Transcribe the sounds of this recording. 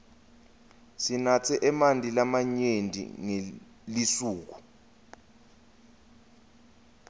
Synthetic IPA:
sinat͡sʰɛʔɛmandʱʼilamaɲendʱḭŋe | lisuːk̬u̥

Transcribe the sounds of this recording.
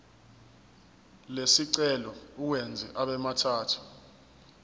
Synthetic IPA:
lesiǀɛlɔuwɛnd͡zʱiʔaɓɛmatʰaːtʰu̥

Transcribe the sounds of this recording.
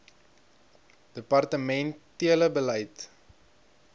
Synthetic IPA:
d̥əpɐrtəmɛntiələbəlɛjt

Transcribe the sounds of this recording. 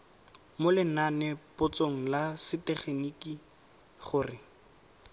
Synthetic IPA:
molɪnanɛpʊt͡soŋ̩lasɪtɛχeniki | χʊːrɪ

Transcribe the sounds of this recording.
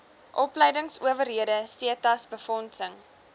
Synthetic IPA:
ʔɔpləjdəŋsuəvərɦiədəsiətɐsbəfɔnsəŋ

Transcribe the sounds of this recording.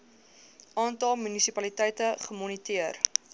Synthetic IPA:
ʔɑːntɐlˠmynisipɐlitɛjtəχəmɔnitiər

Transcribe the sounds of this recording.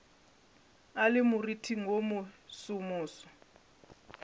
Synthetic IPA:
alɪmuritʰiŋʱomusumuːsɔ̥

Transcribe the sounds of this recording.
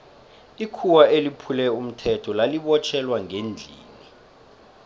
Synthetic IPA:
ikʰuwaelipʰulɛum̩tʰɛtʰɔlaliɓɔt͡ʃʰɛlwaŋend͡ɮʱiːni

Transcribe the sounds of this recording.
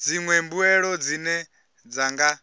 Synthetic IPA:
d͡ziŋwɛmbuɛɺɔd͡zinɛ | d͡zaŋɡa

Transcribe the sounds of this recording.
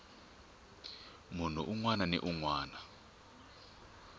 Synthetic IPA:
mun̤ṵʔuŋwananɛ̰ʔuŋwaːna

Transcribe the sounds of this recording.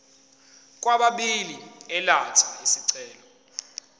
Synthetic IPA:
k̬ʼwaɓaɓiliɛlatʰaesiǀɛːlɔ

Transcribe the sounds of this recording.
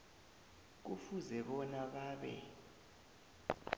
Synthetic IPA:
k̬ufuzɛɓɔnaɓaːɓɛ̰

